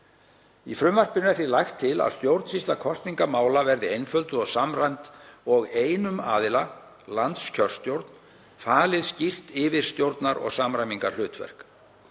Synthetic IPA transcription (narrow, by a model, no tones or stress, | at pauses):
ifɾʏmvar̥pɪnɪaθilajxt̪ʰːɪla̰ðst̪jowɾt̪n̥sist̪lakʰɔst̪niŋkamaːwlavɛɾðɪejnfœlt̪ʏɔsamrajnt̪ɔɣeːjnʏma̰ːðɪla | lant̪scʰœr̥st̪jowɾt̪n | faːlɪðscir̥t̪ɪːvɪɾ̥st̪jowɾt̪naɾɔ̰ɣsaːmɾajmiŋka̰ɾlʏːt̪vɛ̰r̥k